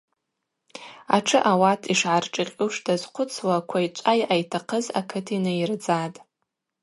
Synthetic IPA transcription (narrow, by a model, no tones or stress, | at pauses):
a̰ʈ͡ʂʰɨʔawatʰiʂʕarʈ͡ʂʼɨqʲʼuʂdazqʷʰʊt͡sʰwakʷʰait͡ʃʷʼajajtʰaqʰəza̰kʰɨtʰinajird͡zatʼ